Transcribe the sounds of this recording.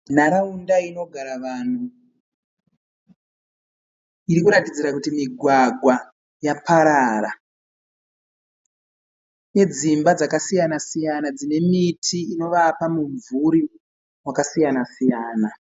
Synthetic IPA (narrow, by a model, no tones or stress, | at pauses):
naɾaundaino̞ɡʱaɾaʋan̤u | iɾikuɾatid͡ziɾakutimiɡʱwaɡʱwa | japaɾaɾa | ne̞d͡zimbad͡zakasijanasijanad͡zine̞mitʰiːno̞ʋapamuɱvuɾi | wakasijanasijaːna